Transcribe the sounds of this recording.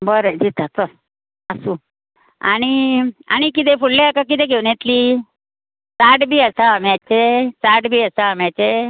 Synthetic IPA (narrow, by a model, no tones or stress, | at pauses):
bəɾed͡ʑit̪at͡s̪ə | əsu | aɽ̃ia̰ñikit̪̬efuɽleakak̬it̪eɡʱeʋɳjet̪liː | t͡saʈbʱiːəsaːmjat͡ɕet͡saʈbʱiːəsaəmjat͡ɕe